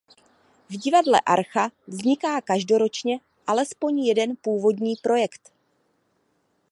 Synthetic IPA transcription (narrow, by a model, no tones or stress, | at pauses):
vɟɪvadlɛ̰ʔaɾxavzɲɪkaːkaʒdo̞ɾo̞t͡ʃɲɛ | ʔalɛspo̞ɲjɛdɛnpuːvo̞dɲiːpɾo̞jɛkt̪